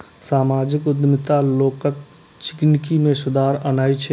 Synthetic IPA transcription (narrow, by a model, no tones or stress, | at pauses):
saːmaːd͡ʒɪkʊd̪mɪt̪aloːkək̚ | t͡ʃɪ̥knkimẽsʊd̪aːɾɐnaːit͡ʃʰɛ